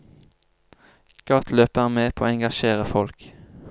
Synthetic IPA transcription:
ɡ̥ɑt̪ʰløːpəəʁmeːpʰoːoːɛŋɡɑʃeːʁəfɔlk

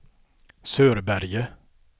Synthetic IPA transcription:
søːɾbæɾjə

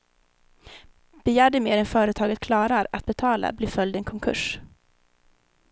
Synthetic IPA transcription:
b̥ɛjæːɖəmeːɾɛnfœːɾət̪ʰɑːɡət̪̚kʰlɑːɾaɾat̪̚bɛt̪ʰɑːla̰bliːfœld̪ɛnkʰɔŋkʰɵ̰ʂ

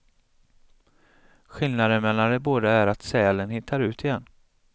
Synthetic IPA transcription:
ɧɪlnad̪əmɛlːand̪ɛboːd̪aæɾat̪sɛːlənhɪt̪ʰːaɾʉ̟ːt̪ʰɪjɛnː

